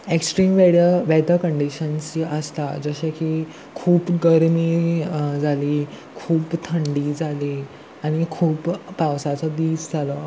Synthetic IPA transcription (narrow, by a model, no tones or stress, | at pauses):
eksʈɾiːmʋeɽjaʋɛd̪əkəɳɖiɕənsiʔəst̪ad͡zəɕaki | kʰuːpɡəɾmiːd͡zʱaliː | kʰuːpt̪ʰəɳɖiːd͡zʱaliː | aɽ̃ikʰuːpːawsat͡səd̪iːd͡zd͡zʱalɔː